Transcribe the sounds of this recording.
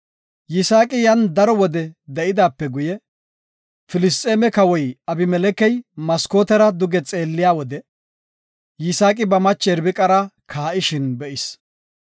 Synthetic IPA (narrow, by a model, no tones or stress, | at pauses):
jɪsaːkʼɪjɐnd̪ɐɾɔwɔd̪ɛd̪ɛʔɪd̪aːpːɛɡʊjɛ | fɪlɪst̪ʼeːmɛkɐwɔjɐbɪmɛlɛkɛjmɐskoːt̪ɛɾɐd̪ʊɡɛt͡sʼe̞ːlːɪjaːwɔd̪ɛ | jɪsaːkʼɪbɐmɐt͡ʃːɛɾbɪkʼɐɾɐkʰaːʔɪʃɪnbɛʔɪs